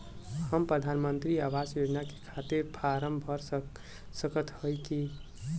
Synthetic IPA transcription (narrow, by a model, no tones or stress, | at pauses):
həmpɾəd̪ʱanmənt̪ɾiawad͡ʒjod͡ʒnake̥kʰat̪iɾpʰaɾəmbʱəɾ | səkət̪həjki